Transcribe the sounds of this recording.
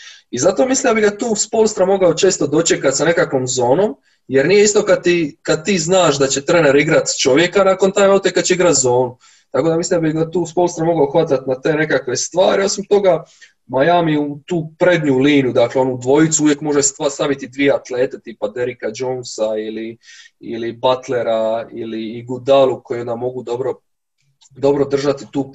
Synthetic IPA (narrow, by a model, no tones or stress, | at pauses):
izat̪o̞mislimd̪abiɡat̪uːspolst̪ɾamo̞ɡaot͡ʃe̞ːst̪od̪o̞t͡ʃe̞kat̪sane̞kakʋo̞mzo̞ːno̞m | jeɾnije̞ist̪o̞kad̪̚t̪ikad̪̚t̪iːznaːʃd̪at͡ɕe̞t̪ɾe̞ːne̞ɾiɡɾat̪t͡ʃo̞ʋje̞kanako̞nt̪ajmaut̪ekad̪t͡ɕeiɡɾat̪zo̞ːnu | t̪ako̞d̪amislimnd̪abiɡat̪uːspo̞lst̪ɾamo̞ɡaoxʋat̪at̪nat̪e̞ːne̞kakʋe̞st̪ʋaːɾio̞simt̪o̞ɡa | majaːmiut̪uːpɾe̞d̪ɲuliːnjud̪akleo̞nuud̪ʋo̞jit̪suuʋje̞kmo̞ʒest̪ast̪aʋit̪id̪ʋijeat̪le̞ːt̪et̪iːpad̪e̞ɾikad͡ʒoːnsaili | ḭlibat̪le̞ɾailiːɡud̪alˠuko̞jnd̪amo̞ɡud̪o̞bɾo̞ | d̪o̞bɾo̞d̪r̩ʒat̪it̪uː